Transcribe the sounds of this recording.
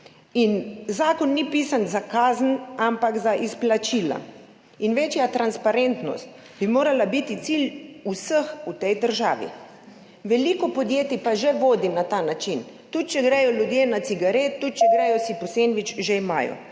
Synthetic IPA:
inzaːkɔnːipiːsanzakaːzən̩ampakzaʔisplat͡ʃiːla̰ | inʋeːt͡ʃjat̪ɾanspaɾent̪nɔ̰st̪ | bimoːɾalabit̪it̪silʲusəxut̪ɛjd̪əɾʒaːʋḭ | ʋɛlikɔpɔd̪jeːt̪ipaʒɛʋoːd̪inat̪aːnat͡ʃin | t̪ut̪̚t͡ʃɛɡɾɛjɔlʲjud̪jeːnat̪siɡaɾeːt̪̚ːut̪̚t͡ʃɛɡɾɛjɔsipɔsenʋit͡ʃʒeima̰ːjɔ̰

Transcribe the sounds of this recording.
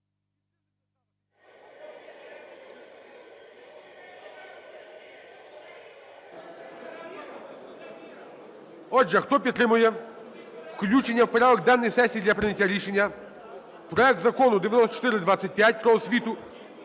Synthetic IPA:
ɔd͡ʒɛxt̪ɔpʲid̪t̪ːɾɪmʊjɛ | wklʲut͡ʃenʲːɐwpɾʲaʋɔɡ̚d̪anːɪjsɛsʲijːd̪lʲɐpɾɪnʲɐtʲːaɾʲiʃenʲːɐ | pɾɔɛk̚t̪zɐkɔnʊd̪ɪʋʲjɐnɔst̪ːt͡ʃɔ̥t̪ɪɾɪd̪ʋat͡sʲːɐt̚ʲpʲjatʲpɾɔɔsʲʋʲit̪ʊ

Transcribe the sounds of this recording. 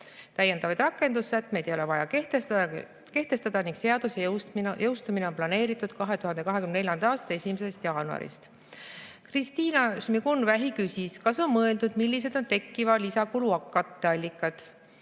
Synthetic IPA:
t̪æjːe̞nd̪ɑvɑjd̪rɑkːˑe̞nd̪̥usːæt̪ːˑme̞jd̪ejole̞vɑjɑk̪ | ke̞ht̪e̞st̪ɑd̪ɑniŋɡkse̞ɑd̪̥usejɤwst̪umine̞o̞nplɑne̞ːɾit̪ːˑud̪̥kɑɦe̞t̪uɦɑnd̪e̞kɑɦekymnene̞lʲjɑnd̪̥ɑɑːst̪ɑe̞sʲimese̞st̪jɑːnuɑ̰ɾḭst̪ | krist̪iːnɑsmiɡunvæɦikysiskɑso̞nmɤe̞ld̪ud̪̥milʲːis̬e̞d̪̥o̞nt̪e̞kːivɑlisɑkuluɑkːˑɑt̪ːeɑlʲːikːˑɑt̪

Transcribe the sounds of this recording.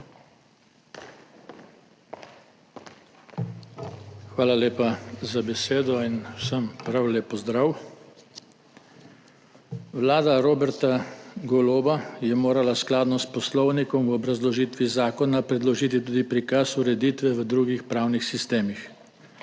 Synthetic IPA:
xʋaːlaleːpazabɛseːd̪ɔinwsəmpɾawlɛpɔzd̪ɾaw | ʋlaːd̪aɾoːbɛɾt̪aɡɔloːbajɛmoːɾalasklaːd̪nɔspɔslɔwnikɔmwɔbɾazlɔʒiːt̪ʋizaːkɔnapɾɛd̪lɔʒiːt̪it̪uːd̪ipɾikasuɾɛd̪iːt̪ʋɛʋəd̪ɾuːɡixpɾaːwnixsist̪eːmix

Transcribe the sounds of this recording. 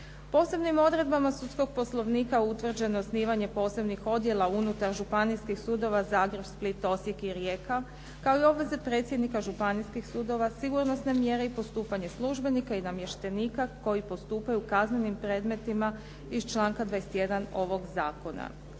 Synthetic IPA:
po̞ːse̞bnimo̞d̪ɾe̞d̪bamasut̪sko̞ɡ̚po̞slˠo̞ʋniːkaut̪ʋr̩d͡ʑe̞nosniːʋaɲe̞po̞ːse̞bnixo̞d̪je̞lˠaunut̪aɾʒupaniskixsud̪o̞ʋazaːɡɾe̞bsplit̪o̞sje̞kiɾjeːka | kaoio̞bʋe̞ze̞pɾe̞ːt̪sje̞d̪nikaʒupaniskixsud̪o̞ʋasiɡuɾno̞sne̞mje̞ɾe̞ipo̞st̪uːpaɲe̞slˠuʒbe̞nikainamje̞ʃt̪e̞niːkako̞jipo̞st̪uːpajukazne̞nimpɾe̞d̪me̞t̪ima | izt͡ʃlˠaːŋkad̪ʋajese̥t̪je̞d̪ano̞ʋo̞ɡzaːko̞na̰

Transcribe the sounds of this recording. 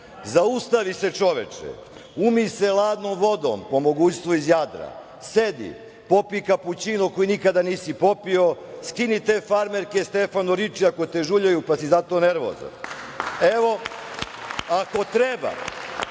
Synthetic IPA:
zaust̪aʋise̞t͡ʂo̞ʋet͡ʂɛ̰ | umiselˠaːd̪nomʋo̞d̪o̰mpo̞moɡuːt͡ɕst̪ʋoizjad̪ɾa̰ | se̞d̪ḭ | po̞pikaput͡ɕinukojinikad̪aniːsipo̞pio̞ | skinit̪e̞ːfaɾmeɾkest̪e̞fanuɾit͡ʂiako̞t̪e̞ʒuʎajupasizat̪o̞ːne̞ɾʋo̰za̰n | eʋo | ako̞t̪ɾeba̰

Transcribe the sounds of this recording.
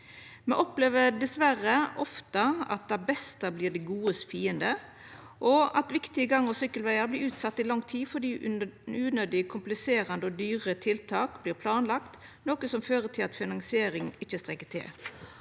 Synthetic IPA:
mɛʔɔpleːʋəɾd̪ɛsʋæɾəʔɔft̪əɑ̰t̪̚d̪ɑbɛst̪ɑbliːʁd̪ɛɡuːəsfiːənd̪ə | ʔɔɑt̪ʋɪkt̪ɪəɡɑŋːəsʏkːəlʋæɪɑɾbliːɾʉːt̪sɑt̪ːɪlɑŋt̪ʰiːfɔɖ̪iːʉːnød̪ɪkʰʊmplɪseːɾɑnd̪əɔd̪yːʁət̪ʰɪlt̪ʰɑːkbliːɾpʰlɑːnlɑkt̪ | noːkəsɔmføːʁət̪ʰɪlɑ̰t̪fɪnɑŋsɪeːɾɪŋɪt͡ʃːəst̪ʁɛkːət̪ʰɪ̰l

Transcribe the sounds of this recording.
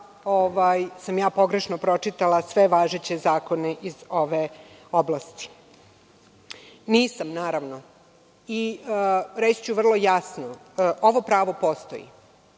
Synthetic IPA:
oʋajsamjaːpo̞ɡɾe̞ʃnopɾo̞t͡ʂit̪alasʋe̞ʋaːʒet͡ɕezaːko̞neʔizoʋeoblast̪i̥ | niːsamnaːɾaʋno̞ | i | ɾet͡ɕt͡ɕuʋr̩lˠo̞jasno | ʔo̞ʋo̞pɾaːʋo̞post̪o̰jḭ

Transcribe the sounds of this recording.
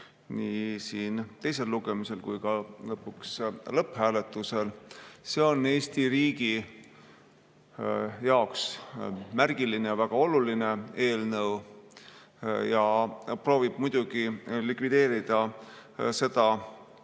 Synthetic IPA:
niːsiːnt̪e̞js̬e̞lːuɡ̥emise̞lkujkɑlɤpːˑukslɤphæːle̞t̪ːˑuse̞lse̞o̞nːe̞ːst̪iɾiːɡi | jɑoksmærɡ̥ilinejɑvæɡ̥ɑo̞luline̞e̞ːlnɤw | jɑpro̞ːvib̥̚mujd̪̥uɡ̥ilikvid̪e̞ːɾid̪̥ɑ | se̞d̪ɑ

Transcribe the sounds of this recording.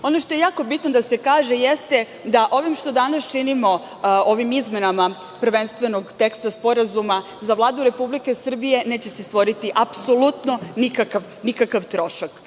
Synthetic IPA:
o̞noʃt̪o̞jejaːko̞bit̪nod̪ase̞kaːʒe̞jest̪e | d̪aʔo̞ʋimʃt̪o̞d̪anast͡ʃinimo̞ | oʋimizme̞nama | pr̩ʋe̞nst̪ʋe̞no̞ɡt̪e̞kst̪aspo̞ɾazuma | zaʋlˠaːd̪uɾe̞publike̞sr̩bije̞ne̞ːt͡ɕe̞sest̪ʋo̞ɾit̪iʔapso̞lut̪no̞nikakaʋ | nikakaʋt̪ɾo̞ʃak

